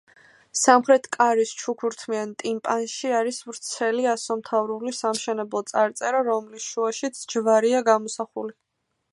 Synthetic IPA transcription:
samχɾɛt̪ʰkʼaɾist͡ʃʰukʰuɾt̪ʰmiant̪ʼimpʼanʃiaɾisvɾt̪sʰɛliasɔmt̪ʰavɾulisamʃɛnɛblˠɔt̪sʼaɾt̪sʼɛɾaɾɔmlisʃuaʃit̪sʰd͡ʒvaɾiaɡamɔsaχṵli

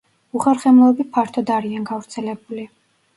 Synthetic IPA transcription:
uχɛɾχɛmlˠɔbipʰaɾt̪ʰɔd̪aɾianɡavɾt̪sʰɛlɛbuli

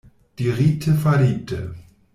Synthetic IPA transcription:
d̥iːʁiːtʰəfɛɐliːp̚tʰə

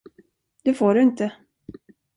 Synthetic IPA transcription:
d̪̥ɛfoːɖɵɪnt̪ə

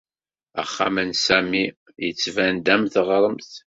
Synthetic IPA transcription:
æ̰χːa̰mənsæmi | jət͡sːvænd̪æmθʁɾˤəmθ

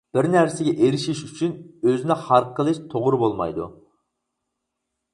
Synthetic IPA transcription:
b̥ɪɾnæɾsɪɡʲɛʔeɾɪʃiʃyt͡ʃʰynøzɪnɪχɑɾqʰːəlˠɪʃt̪ʰoʁɾɨbolˠmɑ̰jd̪ṵ

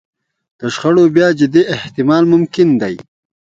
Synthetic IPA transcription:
d̪̥əʃxaɽobjɑːd͡ʒɪd̪iʔɪht̪ɪmɑːlmʊmkɪnd̪aj

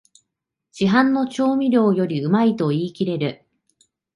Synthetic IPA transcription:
d͡ʑ̥iɦãnːo̞t͡ɕo̞ːmʲiɾʲo̞ːjo̞ɾʲiɯ̟mait̪o̞iːkʲiɾe̞ɾɯ̟

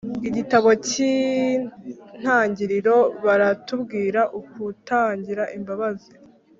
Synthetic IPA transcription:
iɟitaβo̞ci | n̥haːɲɟiɾiɾo̞βaɾatubɡiːɾaʔukutaːɲɟiɾaʔimbaβazi

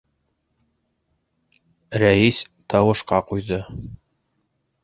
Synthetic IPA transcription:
ɾæis | t̪ʰɑwɤ̆ʃqɑqujðɤ

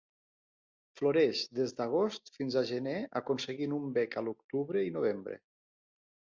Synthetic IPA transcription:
floɾeʃd̪ezd̪aɣ̞ost̪finzaʒəneakunsəɣinumbɛkəlˠukt̪uβɾeinoβ̞embɾḛ

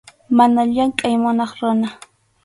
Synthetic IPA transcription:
manaʎaŋkʼajmʊnɑχɾʊna

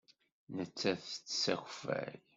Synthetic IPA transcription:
nət͡sːæθt͡sːsæxfæ̰j

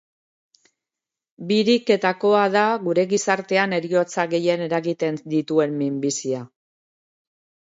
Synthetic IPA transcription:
biɾike̞t̪ako̞aðaɣuɾe̞ɣisaɾt̪e̞ane̞ɾio̞t͡saɣe̞je̞ne̞ɾaɣit̪e̞nd̪it̪ue̞mmimbisia

